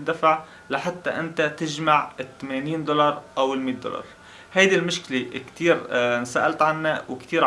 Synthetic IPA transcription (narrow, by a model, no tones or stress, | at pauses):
d̪afaʕ | laħat̪ːaʔɪnt̪at̪ɪʒmaʕɪt̪ːameːniːnd̪ʊlɑɾˤʔawɪlmiːt̪̚d̪ʊ̰lɑ̰ɾˤ | hajd̪ilmʊʃklekt̪iːɾnsaːʔalt̪ʕanːawɪkt̪iːɾ